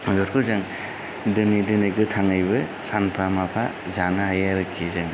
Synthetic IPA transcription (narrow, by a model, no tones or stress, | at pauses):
jɔɾkʰɯzɯŋ | dɯnidɯnɯɡɯtʰaŋajbɯ | sanpʰɾamapʰa | zanaɦajaɾɯkʰːizɯŋ